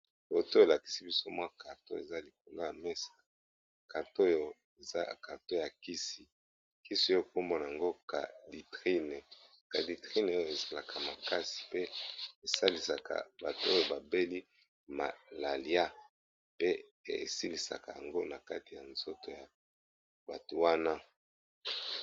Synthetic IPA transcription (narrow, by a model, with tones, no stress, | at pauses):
jo˨to˦e˨la˨ki̥˨si˦bi˦so˦mwa˦ka˨to̰˦e˨za˦li˨k̚o˨lo˦ja˨me˦sḁ˨ | ka˨to˦jo˨ | e˨za˦˨ka˨to˦ja˨ki˦si˨ | ki˦si˦o˦˨ko˦mbo˦na˨a˨ŋɡo˦ka̰˨di˨tʁi˦ne˨ | ka˨di˨tʁi˦ne˨o˦jo˦˨e˨za˨la˨kʰa˨ma˨ka˦si̥˨pe˦e˨sa˦li˨sa˨ka̰˨ba˨tu˨˦o˦jo˨ba˨be˦li˦ | ma̰˨la˨li˦a˦ | pḛ˦˨ | si˦li˨sa̰˨ka˨ja̰˨ŋɡo˦na˨ka˦ti˨ja˨nz̥o˦to˨ja˨ | ba˨tu˨wa˦na˦